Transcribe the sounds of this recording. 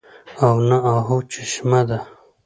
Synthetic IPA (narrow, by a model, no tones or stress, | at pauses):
awnaaɦut͡ʃiʃmad̪a